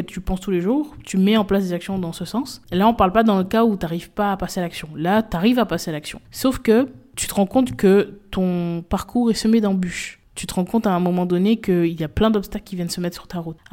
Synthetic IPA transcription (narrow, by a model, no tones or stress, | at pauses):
t̪ypɑ̃st̪uleʒuːʁt̪ymɛɑ̃plasd̪ezaksjɔ̃d̪ɑ̃səsɑ̃selaɔ̃paʁlpad̪ɑ̃ləkaut̪aʁivpaːpasealaksjɔ̃lat̪aʁivapasealaksjɔ̰̃sofkət̪y̥t̪əʁɑ̃kɔ̃t̪kət̪ɔ̃paʁkʰuʁɛsəmed̪ɑ̃byʃ | t̪yt̪əʁɑ̃kɔ̃t̪aɛ̃mɔmɑ̃d̪ɔnekəiljaplɛ̃d̪ɔpst̪aklkʲivjɛnəsəmɛt̪χsy̥ʁt̪aʁut̪